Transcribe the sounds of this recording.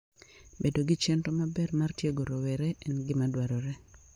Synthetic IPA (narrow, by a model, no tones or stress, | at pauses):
bedoɡɪt͡ʃɛntomabɛrmartjeɡoɾowɛɾɛʔɛnɡɪmadwaɾɔɾɛ